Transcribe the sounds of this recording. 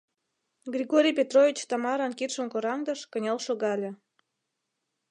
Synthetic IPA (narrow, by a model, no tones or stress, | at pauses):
ɡrʲiɣoɾʲijpʲet̪rovʲit͡ɕt̪ɑmɑɾɑnkit̪ʃə̆mkoɾɑŋd̪əʃkə̆nʲɑlʃoɣɑlʲĕ